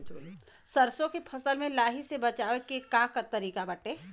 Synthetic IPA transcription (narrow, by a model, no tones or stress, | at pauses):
sɐɾsõkepʰɐsəlmẽlaːɦisebɐt͡ʃaːwekekaːkat̪ɐɾiːkabɐʈeː